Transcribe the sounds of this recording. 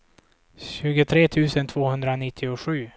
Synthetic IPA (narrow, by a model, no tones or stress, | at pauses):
ɕʉ̟ːɡət̪ʰɾeːt̪ʰʉ̟ːsənt̪ʰvoːhɵnd̪ɾanɪt̪ʰːɪʊɧʉ̟ː